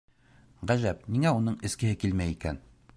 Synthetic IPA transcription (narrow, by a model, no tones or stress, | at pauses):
ʁæʒæpniŋæunɤɴɘ̆skɘ̆hɘkilmæjikæn